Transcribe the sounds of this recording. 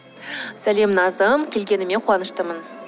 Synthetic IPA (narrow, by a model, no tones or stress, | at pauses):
sælʲemnɑzɤmkʲelʲɡʲenɪ̆mequɑnəʃt̪əmən